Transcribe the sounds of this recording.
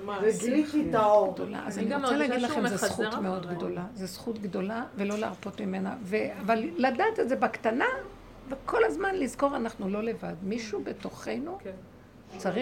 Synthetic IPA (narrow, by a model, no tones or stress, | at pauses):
elikidaɡd̪ola̰azaniot͡seleaɡidlaχemzesχutmeo̞d̪ɡdo̞lazesχutɡdo̞lave̞lo̞leaʁpo̞tmime̞naveavalladaːt̪etzebakt̪ana | vekʰo̞lazmanlizko̞ʁanaχnulo̞le̞vadmiʃube̞to̞χe̞jnu | t͡saʁi